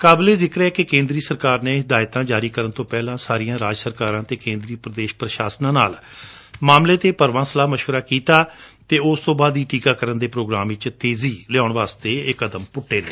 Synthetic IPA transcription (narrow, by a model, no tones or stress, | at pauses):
kaːbleːzɪkɾɛːkɪkẽːnd̪ɾiːsəɾkaːɾneːɦɪd̪aːɪt̪ãːd͡ʒaːɾiːkəɾənt̪õːpɛːlãːsaːɾijãːɾaːd͡ʒsəɾkaːɾãːt̪eːkẽːnd̪ɾiːpɾəd̪eːʃpɾəʃaːsnãːna̰ːl | maːmleːt̪eːpəɾʋãːsəlaːməʃʋəɾaːkiːt̪aːt̪eːʊst̪õːbaːd̪iːʈiːkaːkəɾənd̪eːpɾoːɡɾaːmʋɪt͡ʃt̪eːziːlɛaːʊɳʋaːst̪eːɪkəd̪əmpʊʈʰːeːneː